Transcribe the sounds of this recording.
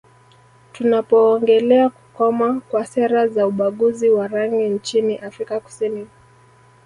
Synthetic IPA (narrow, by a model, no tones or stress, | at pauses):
tunapɔːŋɡɛlɛaku̥kɔmakwasɛɾazauɓaɠuziwaɾaŋɡint͡ʃiniʔafɾikaku̥sini